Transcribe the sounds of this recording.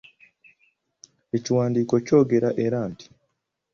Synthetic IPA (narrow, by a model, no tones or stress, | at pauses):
e̞ciwaːndiːko̞co̞ːɡe̞ɾaʔe̞ɾaːntʰi̥